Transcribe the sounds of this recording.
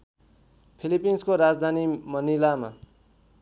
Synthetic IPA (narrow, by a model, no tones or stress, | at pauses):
pʰilipinskoɾad͡zd̪ʱanimʌnilama̰